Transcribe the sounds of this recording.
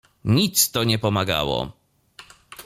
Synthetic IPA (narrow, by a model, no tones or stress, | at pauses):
ɲit̪st̪ɔɲɛpɔmaɡa̰wɔ̰